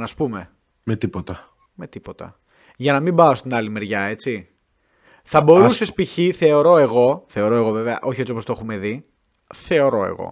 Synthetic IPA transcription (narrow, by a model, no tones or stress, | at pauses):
nɐspume̞ | met̪ipot̪ɐ | me̞t̪ipo̞t̪ɐ̰ | ʝɐnɐmimbɐo̞st̪inɐlime̞ɾʝɐe̞t͡si | θɐbo̞ɾuse̞spiçiθe̞o̞ɾo̞e̞ɣo̞θe̞o̞ɾo̞e̞ɣo̞ve̞veɐ̰ʔo̞çiet͡siopost̪o̞xume̞ði | θe̞o̞ɾo̞e̞̰ɣo̰